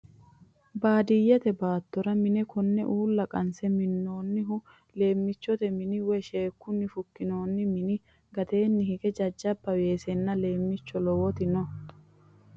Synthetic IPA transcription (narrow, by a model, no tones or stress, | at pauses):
baːd̪ɪjɛt̪ɛbaːt̪ːɔɾɐmɪnɛkɔnːɛ̰ʔuːlːɐkʼɐnsɛmɪnːo̞ːnːɪɦʊ | le̞ːmːɪt͡ʃːɔt̪ɛmɪnɪwɛʃe̞ːkːʊnːɪfʊkːɪno̞ːnːɪmɪnɪ | ɡɐt̪e̞ːnːɪhɪkʼɛd͡ʒɐd͡ʒːɐbːɐwe̞ːsɛnːɐle̞ːmːɪt͡ʃːɔlɔwɔt̪ɪnɔ